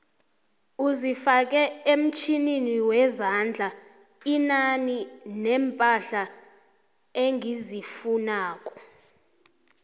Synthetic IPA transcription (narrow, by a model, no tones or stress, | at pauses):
uzifak̬ʼɛem̩t͡ʃʰininiwɛzand͡ɮʱa | inaninɛmpʼaɬa | eŋʱizifunaːk̬ʼɔ̥